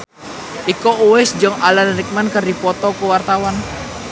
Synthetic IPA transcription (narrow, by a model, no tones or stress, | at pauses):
ʔikɔʔuwɛsd͡ʒɔŋalanrik̚mankərdipɔt̪ɔkuwart̪awan